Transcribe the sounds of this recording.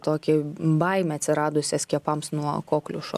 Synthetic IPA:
t̪oːkʲɪbɐɪmʲɛɐt̪ʲsʲɪɾɑːd̪ʊsʲɛskʲiɛpɐmsnuɔkoːklʲʊ̰ʃ

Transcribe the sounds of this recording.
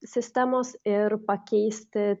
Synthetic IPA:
sʲɪsʲt̪ʲæmoːsɪɾpɐkʲɛɪsʲt̪ʲɪ

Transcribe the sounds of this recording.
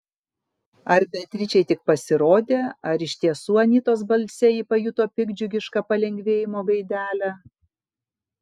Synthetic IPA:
ɐɾbʲɛt̪ʲɾʲɪt͡ʃʲɛɪt̪ʲɪk̚pɐsʲɪɾoːd̪ʲeːɐɾɪʃʲt̪ʲiɛsuːɐnʲiːt̪oːsbɐlʲsʲɛiːpɐjut̪oːpʲɪɡd͡ʒʲʊɡʲɪʃkɐpɐlʲɛŋʲɡʲʋʲeːjɪmoːɡɐɪd̪ʲæːlʲæ

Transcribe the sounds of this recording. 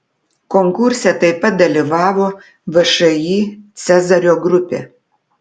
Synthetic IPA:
kɔŋkʊɾʲsʲɛt̪ɐɪpɐt̪̚d̪ɐlʲiʋɑːʋoː | ʋɐʃɐjiːt̪sʲɛzɐɾʲoːɡɾʊpʲḛː

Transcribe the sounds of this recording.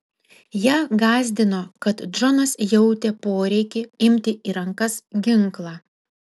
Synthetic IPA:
jæːɡɑːzʲd̪ʲɪnoːkɐt̪d͡ʒɔnɐsjɛʊt̪ʲepoːɾʲɛɪkʲɪɪmʲt̪ʲɪiːɾɐŋkɐsɡʲɪŋˑklˠɑː

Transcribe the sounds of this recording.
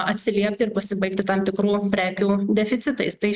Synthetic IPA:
ɐt̪ʲsʲɪlʲiɛpʲt̪ʲɪɪɾpɐsʲɪbɐɪkt̪ʲɪt̪ɑmt̪ʲɪkɾuːpʲɾʲæːkʲuːd̪ʲɛfʲɪt̪sʲɪt̪ɐɪst̪ɐɪ

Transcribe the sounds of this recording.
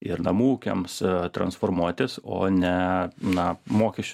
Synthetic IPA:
ɪɾnɐmuːkʲɛ̰mst̪ɾɐ̰nsfoːɾmuɔt̪ʲɪso̰ːnʲɛnɐmoːkʲɛʃʲt͡ʃʲʊ

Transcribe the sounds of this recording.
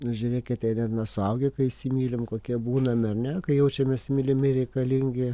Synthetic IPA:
nʊʒʲʊrʲeːkʲɪt̪tɐɪnʲɛt̪nɐsʊɐʊɡʲɪkɐɪɪsʲimʲiːlʲɪmkoːkʲiɛbuːnɐmʲɐrnʲɛkɐɪjɛʊt͡ʃʲɛmʲeːsmʲɪlʲɪmʲɪɾʲɛɪkɐlʲɪŋʲɡʲɪ

